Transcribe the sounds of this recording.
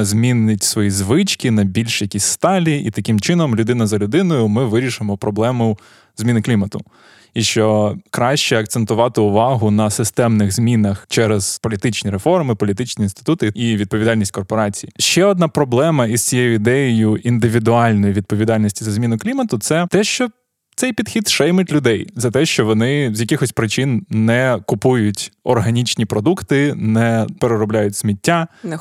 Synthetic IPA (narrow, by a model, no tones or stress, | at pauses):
zʲmʲinɪtʲsʋɔjizʋɪt͡ʃkʲɪnɐbʲilʲʃjɐkʲisʲst̪ɑlʲiit̪ɐkɪmt͡ʃɪnɔmlʲʊd̪ɪnɐzɐlʲʊd̪ɪnɔjʊmɪʋɪɾʲiʃɪmɔpɾɔblˠɛmʊ | zʲmʲinɪklʲimɐt̪ʊ | iʃt͡ʃɔkɾɑʃt͡ʃɛɐk̚t̪sent̪ʊʋɑt̪ɪʊʋɑɦʊnɐsɪst̪ɛmnɪɣzʲmʲinɐxt͡ʃɛɾɛzpɔlʲit̪ɪt͡ʃnʲiɾefɔrmɪpɔlʲit̪ɪt͡ʃʲnʲiinst̪ɪ̥t̪ut̪ɪiʋʲid̪̚pɔʋʲid̪ɑlʲnʲisʲtʲkɔrpɔɾɑt͡sʲijiʃt͡ʃɛɔd̪nɑpɾɔblˠɛmɐizt͡sʲijɛjʊid̪ɛjɪjʊʔind̪ɪʋʲid̪ʊɑlʲnɔjiʋʲid̪̚pɔʋʲid̪ɑlʲnʲisʲtʲizɐzʲmʲinʊklʲimɐt̪ʊt̪sɛt̪ɛʃt͡ʃɔ | t̪sɛjpʲid̪xʲid̪ʃɛjmɪtʲlʲʊd̪ɛjzɐt̪ɛʃt͡ʃɔʋɔnɪzʲjɐkʲɪxɔsʲpɾɪt͡ʃɪnnɛkʊpujʊtʲɔ̰rɦɐnʲit͡ʃnʲipɾɔd̪ukt̪ɪnɛpeɾeɾɔblʲajʊtʲsmʲitʲːan